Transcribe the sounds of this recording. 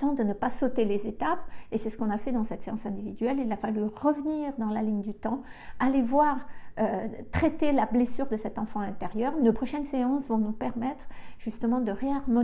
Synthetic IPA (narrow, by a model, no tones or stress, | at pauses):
t̪ɑ̃d̪ənəpasot̪elezet̪apesɛsə̥kɔ̃nafɛd̪ɑ̃sɛt̪seɑ̃sɛ̃d̪ivid̪ɥɛlilafalyʁəvəniʁd̪ɑ̃laliɲd̪yt̪ɑ̃alevwaʁøt̪χɛt̪elablesyʁd̪əsɛt̪ɑ̃fɑ̃ɛ̃t̪eʁjœʁynəpχɔʃɛnseɑ̃svɔ̃nupɛʁmɛt̪χʒ̥yst̪əmɑ̃d̪əʁeaʁmɔ